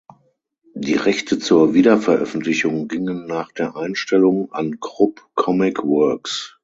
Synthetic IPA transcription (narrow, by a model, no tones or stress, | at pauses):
d̥iːʁɛçtʰət͡suːɐviːdɐfɛɐʔœ̰fn̩tʰlɪçʊŋɡɪŋənːaːχd̥eːɐʔaɪnʃtɛlʊŋa̰nɡʁʊpkʰɔmɪkvœɐks